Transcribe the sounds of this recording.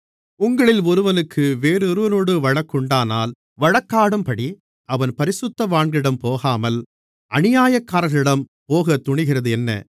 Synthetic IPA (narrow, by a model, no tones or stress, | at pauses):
ʊŋɡɐɭɪlɔɾɯʋɐnɯkʰːɯʋeːɾɯɾɯʋɐnoːɽɯʋɐɻɐkːɯɳɖaːnaːl | ʋɐɻɐkːaːɽɯmpɐɽi | ɐʋɐnpɐɾɪsʊt̪ːɐʋaːɳɡɪɽɐmpoːɣaːmɐl | ʔɐnɪjaːjɐkːaːɾɣɐɭɪɽɐmpoːɣɐt̪ːʊɳɪɣɪrɐðɯɛnːɐ̰